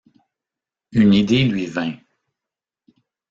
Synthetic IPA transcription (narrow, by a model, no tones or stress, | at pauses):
ynid̪elɥivɛ̃